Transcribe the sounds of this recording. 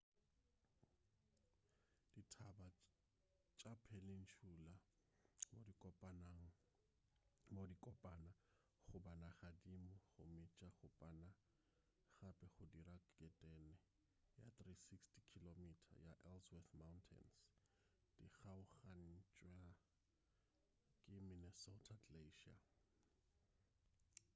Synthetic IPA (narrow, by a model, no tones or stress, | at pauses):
d̥itʰaba | t͡ʃʼapʰɛlɪn̩t͡ʃʰula | modikʼɔpʼanaŋ̩ | modikʼɔpʼana | χʊbanaχadimʊχʊmɪt͡ʃʼaχʊpʼana | χapʼɛχʊdirakkʼɛtʼɛnɛ | ja̰t̪risikstʰi̥kʰilomitʰa̰jaʔɛlswɛθmawntʰɛ̰ns | d̥iɣaʊχan̩t͡ʃʼwa | kʼɪmɪnɛsɔtʰadleʃia̰